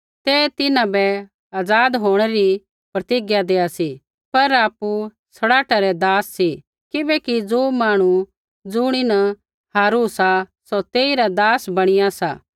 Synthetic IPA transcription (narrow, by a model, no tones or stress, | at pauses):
t̪eːt̪ɪnãbɛ | aːd͡zaːd̪ɦoːɽ̃ɛɾi | pɾɐt̪ɪɡjad̪eːasi | pɐɾaːpːu | sɐɽaːʈaɾɛd̪aːsːi | kɪbɛkid͡zoːmaːɽ̃u | d͡zʊɽ̃inɐ | haːɾusasot̪eːiɾad̪aːsbɐɽ̃ɪjasa̰ː